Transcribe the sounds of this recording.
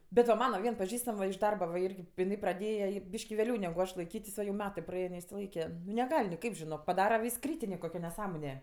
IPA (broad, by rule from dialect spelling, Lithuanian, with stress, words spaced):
bʲɛt ʋɐ ˈmɑːnɐ ˈʋʲiɛn pɐˈʒʲiːstɐm ʋɐ ɪʃ ˈdɐrbɐ ʋɐ ˈɪrʲɡʲɪ pʲɪˈnɐɪ prɐˈdʲeːjɛ jɪ ˈbʲiːʃʲkʲɪ ʋʲeːˈlʲɛʊ nʲɛɡʊ ˈɐʃ lˠɐɪˈkʲiːtʲɪs oː jɛʊ ˈmʲæːtɜ prɐˈɛɪn nʲɛɪʃʲsʲɪˈlˠɐɪkʲɛ nʲɛˈɡɐlʲ nʲɪˈkɐɪp ʒʲɪˈnoːk pɐˈdɑːrɐ ʋʲɪs ˈkrʲiːtʲɪnʲeː koːˈkʲoː nʲɛˈsɑːmoːnʲɛ